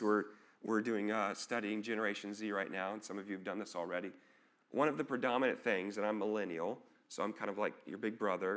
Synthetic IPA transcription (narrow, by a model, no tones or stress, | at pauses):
wɪɹ | wʔɪɹdʉɪ̃ŋʌstʌɾiɪ̃ŋd͡ʒɛnə˞eɪʃn̩z̥iɹaɪtⁿnaʊə̃nsʌ̃mʌvjʉvdʌ̃nðɪsl̩ˠɹɛɾi | wʔʌ̃ñʌvðɨpʰɹ̥ɨdɑmɨnɨ̃t̪θɪ̃ŋzɨ̃nãɪ̃mːəlɛnil̩ˠ | soʊãɪ̃mkʰãɪ̃ndʌvlaɪk̚jə̰˞bɪɡ̚bɹʌðə˞